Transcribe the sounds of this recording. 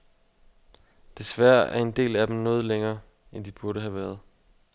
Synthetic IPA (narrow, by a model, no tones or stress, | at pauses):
d̥e̝sʋæɐ̰æɐe̝nd̥e̝̰ːlæd̥em̩nɔ̽ːð̞ˠleŋɐː | end̥ib̥uɐɾəɦæʋæɐð̞ˠ